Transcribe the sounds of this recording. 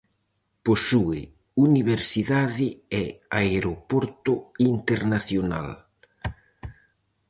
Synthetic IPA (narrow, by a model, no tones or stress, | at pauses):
posuɪ̰ | uniβeɾsiðaðɪɛaeɾopoɾt̪ʊint̪eɾnaθjona̰l